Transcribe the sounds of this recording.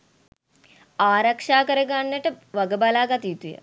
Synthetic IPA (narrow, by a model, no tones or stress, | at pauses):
aːɾakʂaːkəɾəɡanːəʈəʋaɡəbalaːɡat̪iut̪ujə̰